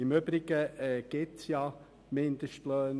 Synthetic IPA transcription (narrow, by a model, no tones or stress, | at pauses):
ɪmʏbɾɪɡ̥əɛɡ̥ɪtsjɑ | mɪnd̥̪əʃtløːn